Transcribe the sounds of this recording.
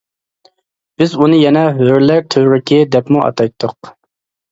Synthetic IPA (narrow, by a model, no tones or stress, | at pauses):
b̥ɪzunɨjɛnɛɦøɾlæɾt̪ʰøɾɪkʲʰɪd̪ɛpmuʔɑ̰t̪ʰɑjt̪ʰːʊq